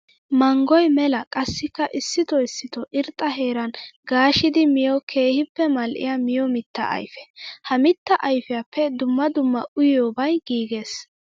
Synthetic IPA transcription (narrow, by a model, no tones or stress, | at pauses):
mɐŋɡɔjmɛlɐkʼɐsːɪkːɐʔɪsːɪt̪ɔɪsːɪt̪ɔʔɪɾt̪ʼːɐɦe̞ːɾɐnɡaːʃɪd̪ɪmɪjɔkʰe̞ːhɪpːɛmɐlʔɪ̰jamɪjɔmɪt̪ːɐ̰ʔɐ̰jfɛ̥hɐmɪt̪ːɐʔɐjfɪjapʰːɛd̪ʊmːɐd̪ʊmːɐʔʊjoːbɐjɡiːɡe̞ːs